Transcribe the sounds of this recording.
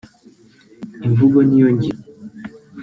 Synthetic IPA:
iɱvuɡɔnijɔɲɟi

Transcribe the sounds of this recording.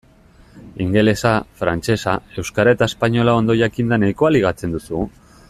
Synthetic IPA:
iŋɡe̞lesafɾant͡se̞sae̞wskaɾaet̪aespaɲo̞lao̞nd̪o̞jakind̪anajkoaliɣ̞at͡se̞nd̪usu

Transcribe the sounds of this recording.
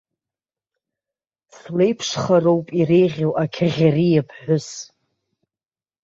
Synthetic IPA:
slejpʰʂχarowpʼirejʁʲawʔakʲʰaʁʲarijapʰħʷʊs

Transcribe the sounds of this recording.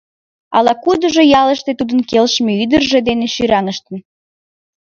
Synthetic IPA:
ɑ̰lɑkud̪əʒojɑləʃt̪et̪ud̪ənkelʃmeyd̪ərʒed̪eneʃyɾɑŋəʃt̪ən

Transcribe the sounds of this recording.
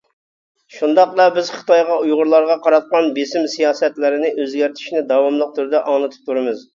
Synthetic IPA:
ʃund̪ɑqlˠɑbɪz̥χɨ̥t̪ɑjʁɑujʁʊɾlˠɑɾʁɑqʰɑɾɑt̪̚qɑnbesɪmsijɑːsɛt̪lɪɾɪnɪʔøzɡʲæɾt̪ʰi̥ʃnɪd̪ɑwɑmlˠəq̚t̪ʰyɾd̪ɛʔɑŋlˠɨt̪ʰɨ̥p̚t̪ʰuɾɨmɨz

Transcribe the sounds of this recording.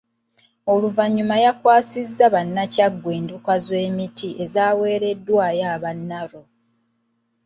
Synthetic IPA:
o̞luvaɲːumajakwaːsizːaβanːacaɡːweːndukazwe̞ːmitʰiʔe̞zaːwe̞ːɾe̞dːwaːjaːβanːaɾo̞

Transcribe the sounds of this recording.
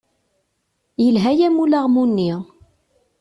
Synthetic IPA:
jəlɦæjæmulaʁmunːiʁ

